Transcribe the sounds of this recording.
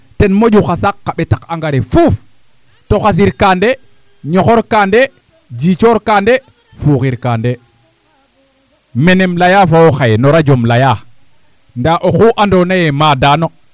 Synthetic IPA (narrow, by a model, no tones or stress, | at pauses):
tɛnmod͡ʒuxasakːaɓɛtakaŋɡaɾefuf | toxas̬iɾkande | ɲɔxɔɾkande | d͡ʒit͡ʃoɾkande | fuxiɾkande | menemlajafawoxajnɔɾad͡ʒomlaja | ndaʔoxuːʔandonajɛmadano